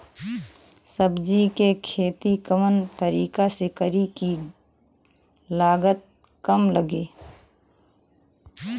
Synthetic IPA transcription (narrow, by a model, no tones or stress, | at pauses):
səbd͡ʒikekʰeːt̪ikəmənt̪əɾiːkasekəɾiki | laːɡət̪̚ | kəmləɡeː